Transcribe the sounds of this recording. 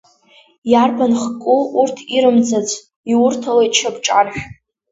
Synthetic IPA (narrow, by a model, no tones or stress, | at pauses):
jarbanχkʷʼuurtʰiɾɨmd͡zat͡sʷʰʼ | iwʊrtʰalajt͡ʃʰabʈ͡ʂʼanħᶣ